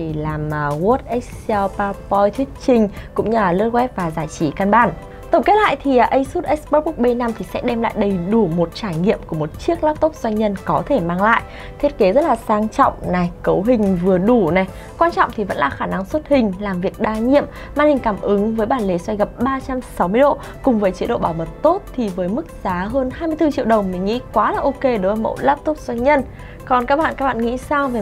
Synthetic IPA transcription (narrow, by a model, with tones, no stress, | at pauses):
i˨˩laː˨˩mː˨˩ɣu˦˥t̚ʔɛ˦˥sa˧wpaː˧pɔ˧jt̪ʰi˦˥ənt͡ɕï˧ŋ̟kʊ̰˧˥ŋ͡mɲɨ˧a˨˩lə˦˥t̚kwɛ˦˥p̚vaː˨˩zaː˧˩jt͡ɕi˧˩˦ka˧nɓaː˧˩n | t̪ə˨˧˩ŋ͡mke˨˦˥t̚la̰ː˧˨jt̪ʰi˨˩˨ʔə˧jsu˦˥t̚ʔɛ˦˥k̚spɔ˧˦˥ɓu˦˥k̚ɓe˧na˧mt̪ʰi˨˩sɛ̰˧˥ɗɛ˧mla̰ː˧˨jɗə˧˩jɗu˧˩mo˨˩t̚t͡ɕaː˧˩jŋḭ˧˨əmku˧˩əmo˨˩t̚t͡ɕi˦˥ək̚laː˦˥p̚t̪ə˦˥k͡p̚zwa˧jŋ̟ɲə˧nkɔ˨˦t̪ʰe˧˩maː˧ŋla̰ː˧˨jʔ | t̪ʰt̚ke˨˦zə˦˥t̚laː˨˩saː˧ŋt͡ɕɔ̰˧˨wŋ͡mna˨˩jkə˨˦wɦï˨˩ŋ̟vɨ˨˩əɗu˧˩na˨˩j | kwaː˧nt͡ɕɔ̰˧˨wŋ͡mt̪ʰi˨˩və̰˧˥nlaː˨˩xaː˧˩na˧ŋswə˦˥t̚hï˨˩ŋ̟laː˨˩mvi˨˩ək̚ɗaː˧ɲḭ˧˨əm | maː˧˩nhï˨˩ŋ̟kaː˧˩mʔɨ˨˦ŋvəː˨˦jɓaː˧˩nle˨˦swa˧jɣə˨˩p̚ɓaː˧t͡ɕa˧msa˨˦wmɨ˧əjɗo̰˧˨ | kʊ˨˩ŋ͡mvəː˨˦jt͡ɕe˨˦ɗo̰˧˨ɓaː˧˩wmə˨˩t̚t̪o˦˥t̚t̪ʰi˨˩vəː˨˦jmɨ˦˥k̚zaː˨˦ɦəː˧nɦaː˧jmɨ˧əjt̪ɨ˧t͡ɕḭ˧˨əwɗə˨˩wŋ͡mmï˨˩ŋ̟ŋḭ˧˥kwaː˨˦laː˨˩ʔo˧ke˧ɗo˨˦vəː˨˦mə̰˧˥laː˦˥p̚t̪o˦˥k͡p̚zwa˧jŋɲə˧n | kɔ˨˩nkaː˦˥k̚ɓa̰ː˧˨kaː˦k̚ɓa̰ː˧˨ŋḭ˧˥saː˧wve˨˩